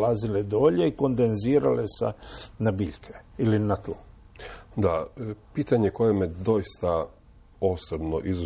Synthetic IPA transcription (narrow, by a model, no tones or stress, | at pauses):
laziled̪oːʎeiko̞nd̪enziːɾa̰lesa̰nabiːʎkʰe̥ilinat̪uː | d̪apiːt̪aɲeko̞jemed̪o̞ist̪a | o̞sobnoʔizu